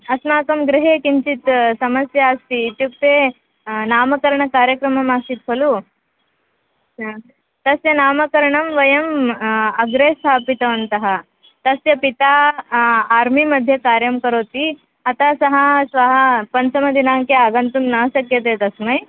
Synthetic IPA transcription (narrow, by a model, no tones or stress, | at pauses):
ɐsmaːkəmɡɾiɦekiɲt͡ɕit̪sɐməsjaːst̪iːt̪jukt̪e | naməkəɾɳəkaɾjəkɾəməmasit̪fʰəlu | t̪ɐsjənaməkəɾɳɐmʋɐjəməɡɾest̪ʰapit̪əʋənt̪ɐɦa | t̪əsjɐpit̪aː | ɾmiməd̪ʱjekaɾjəmkəɾot̪iː | at̪asɐɦasʋaɦapənt͡səməd̪inaŋkeaɡənt̪uːnːəɕəkjet̪̬et̪ɐsməj